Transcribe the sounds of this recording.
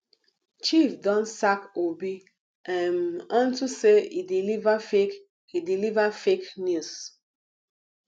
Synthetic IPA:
t͡ʃifdɔ̃nsakobi | ãnɔ̃ntuseidilivafek | idilivafeknjus

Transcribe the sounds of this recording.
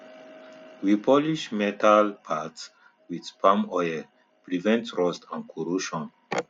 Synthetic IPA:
wipʰɔliʃmɛtʰalpʰats | widpʰãmɔjə | pɹivɛ̃ntɹɔstãnkʰɔɹuʃɔ̃n

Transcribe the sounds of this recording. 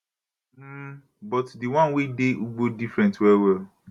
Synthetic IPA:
bɔtdiwãnwedeʔuɡ͡bodifɾɛ̃ntwɛwɛ

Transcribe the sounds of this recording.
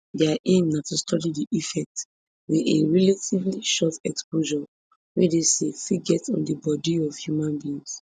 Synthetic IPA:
dɛaʔẽmnafɛstʰɔlidiʔifɛk̚t | wiðeɹɛlatʰivliʃɔtɛkspoʒɔ | wɛdesefiɡɛtɔ̃ndəbɔdiɔv̥hjumãnbĩːns

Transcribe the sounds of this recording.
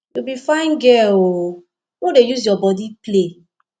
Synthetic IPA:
jubifãɪ̃nɡɛo | wodejuzjɔbɔdiple

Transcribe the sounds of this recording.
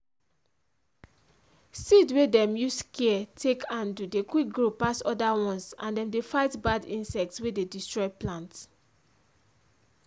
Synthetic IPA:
sidwedɛ̃mjuskiɛtʰekʰãndudekwik̚ɡɹopasɔdawɔ̃nsãndɛ̃mdefaɪtbadĩnsɛk̚tswededistɹɔɪplãnt

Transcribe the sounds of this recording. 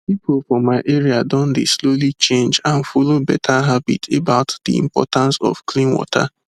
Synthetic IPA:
pipʊlfɔmaɪʔeɾiadɔ̃ndeslolit͡ʃẽnd͡ʒãnfolobɛtʰaɦabitʰebaʊtd̪ḭḭ̃mpɔ̰tãnsɔ̰v̥klĩnwɔ̰tʰa̰

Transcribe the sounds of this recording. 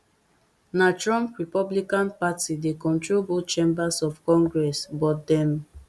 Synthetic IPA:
nat͡ʃɹɔ̃mpɹipɔblikãnpatidekɔ̃ntɹobot͡ʃẽmbasɔfkɔ̃ŋɡɹɛsbɔt̚dɛ̃m

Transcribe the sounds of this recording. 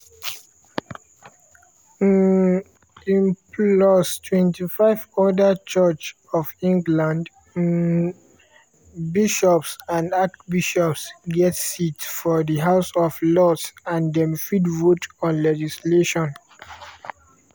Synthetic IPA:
ĩmplɔstʰwɛ̃ntifaɪvɔdət͡ʃɜt͡ʃ | ɔvĩŋɡlãnd | biʃɔpsãndak̚biʃɔpsɡɛtsitfɔðiɦaʊsɔflɔtsãndɛ̃mfidvotɔ̃nlɛd͡ʒisleʃɔ̃n

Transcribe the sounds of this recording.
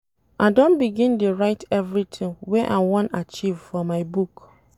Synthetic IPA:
adõnbiɡĩntuɹaɪtʰɛvɹitʰĩŋwɛʔa̰ɪwɔ̃nat͡ʃivfɔmaɪbuk

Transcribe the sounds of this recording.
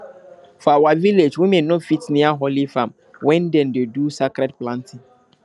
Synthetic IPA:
fɔawaviled͡ʒwimenɔ̃fitnĩaɦolifãm | wʔɛ̃ndɛ̃ndedusakɾɛd̚plãntʰɪ̃ŋ

